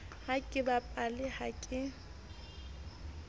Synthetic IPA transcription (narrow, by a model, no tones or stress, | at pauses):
hakʼɪbapʼalɪhakʼɪ